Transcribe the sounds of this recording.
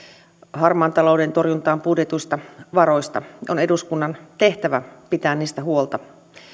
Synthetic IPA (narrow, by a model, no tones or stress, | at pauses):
hɑrmɑːnt̪ɑlo̞udent̪orjunt̪ɑːmpudjet̪uist̪ɑʋɑɾo̞ist̪ɑʔo̞neduskunːɑnt̪e̞ht̪æʋæpit̪æːnniːst̪æɦuolt̪ɑ